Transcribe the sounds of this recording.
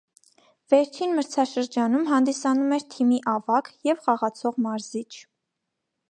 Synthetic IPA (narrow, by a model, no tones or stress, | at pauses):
vɛɾt͡ʃʰinməɾt͡sʰɑʃəɾd͡ʒɑnumɦɑnd̪isɑnumɛɾt̪ʰimiʔɑvɑkjɛvχɑʁɑt͡sʰɔʁmɑɾzit͡ʃʰ